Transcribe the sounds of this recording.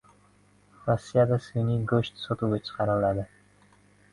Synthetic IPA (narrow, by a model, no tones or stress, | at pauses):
ɾosːijad̪asenɪɡɵʃt̪sot̪uwɡat͡ʃʰɨ̥qʰɑɾɪlad̪ɪ